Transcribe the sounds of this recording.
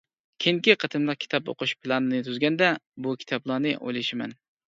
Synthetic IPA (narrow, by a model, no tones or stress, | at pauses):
kʲʰeŋkʲiqʰət̪ʰɨmlˠəq̚kʲʰi̥t̪ʰɑpo̰qʰʊʃpʰɪlˠɑnɨnɨt̪ʰyzɡʲɛnd̪ɛbukʲʰi̥t̪ʰɑblˠɑnɨʔo̰jlˠɨʃɪmɛ̰n